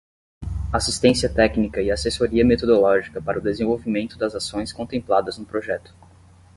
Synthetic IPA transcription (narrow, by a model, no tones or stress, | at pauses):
asist̪ẽsiɐt̪ɛknikɐɪasesoɾiɐmet̪od̪olɔʒikɐpaɾɐʊd̪ezẽvowvimẽnt̪ʊd̪ɐzasõj̃skõnt̪ẽmplad̪ɐznʊpɾoʒɛt̪ʊ̥